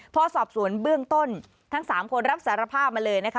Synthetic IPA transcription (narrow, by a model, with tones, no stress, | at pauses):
pʰɔː˧sɔː˨˩p̚su˨˩˦ənbɯ˥˩əŋt̪o˥˩n | t̪ʰa˦˥ŋsaː˩˦mkʰo˧nɾa˦˥p̚sa˩˦ɾa˧pʰaː˥˩p̚maː˧lɤː˧jna˦˥kʰa˦˥